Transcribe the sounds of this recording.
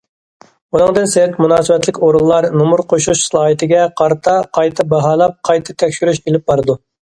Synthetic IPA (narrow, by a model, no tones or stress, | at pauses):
unɨŋd̪ɨnsɛt̪munɑːsɨwɛt̪lɪkʲoɾulˠːɑɾnomuɾqʰoʃuuʃsɨlˠɑːɦit̪ʰɪɡʲɛqʰɑɾt̪ʰɑqʰɑjt̪ʰɨbɑɦɑːlˠɑp̚qʰɑjt̪ʰɨt̪ʰɛkʲʃyɾyʃelɪp̚bɑɾɨd̪u